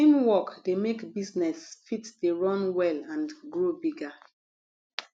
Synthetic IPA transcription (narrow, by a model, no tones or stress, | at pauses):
ĩmwɔkdemekbiznɛsfitdeɹɔ̃nwɛlãnɡɹobiɡa